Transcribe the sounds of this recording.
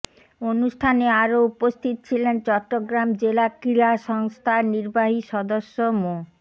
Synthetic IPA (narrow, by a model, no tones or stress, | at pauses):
onuʃʈʰaneaɾoupost̪ʰit̪̚t͡ɕʰilent͡ɕɔʈːoɡɾamd͡ʑelakɾiaʃɔŋst̪ʰaniɾbaɦiʃɔd̪oʃːomo